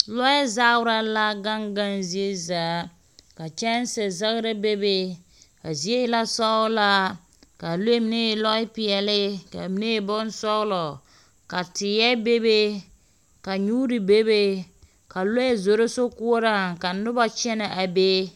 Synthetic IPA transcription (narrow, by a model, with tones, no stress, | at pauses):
lɔ˦jɛ˦za˦ʊ˦ɾa˦la˦ɡa˦ŋɡa˦nzi˦e˦zaː˨˦ | ka˨t͡ʃɛ˦n˦sɛ˨za˦ɣɾa˦be˦be˦ | ka˨zi˦e˦jɪ˦la˦sɔ˦ʊ˦la˦ | ka˨lo˦e˦mi˨ne˦˨lɔ˦ɪ˦pɪ˨ɛ˨lɪ˦ka̰˨mi˦ne˦˨bɔ˦n˦sɔ˦lɔ˨ | ka˨tɪ˨jɛ˦be˦be˦ | ka˨ɲuː˦ɾi˨be˦be˦ | ka˨lo˦jɛ˦zo˨ɾo˦so˦ku˦o˦ɾa˦ka˨nʊ˦ba˨t͡ʃɛ˦na˨ʔa˨be˦